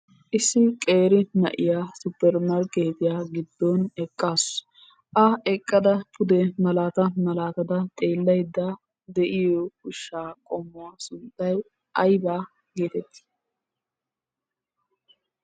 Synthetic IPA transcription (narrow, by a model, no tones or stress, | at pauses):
ʔɪsːɪkʼe̞ːɾɪnɐ̰ʔɪjaːsʊpːɛɾmɐɾkːe̞ːt̪ɪjaːɡɪd̪ːɔnɛkʼːaːs | ʔɐɛkʼːɐd̪ɐpʰʊd̪ɛmɐlaːt̪ɐmɐlaːt̪ɐd̪ɐt̪ʼeːlːɐjd̪ːɐ | d̪ɛʔɪjɔkʊʃːaːkʼɔmːʊwasʊnt̪ʼːɐj | ʔɐjbaː | ɡeːt̪ɛt̪ːɪ̥